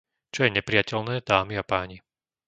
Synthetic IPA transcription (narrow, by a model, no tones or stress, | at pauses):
t͡ʃɔjɛɲɛpɾijacɛlnɛːd̪aːmiapaːɲi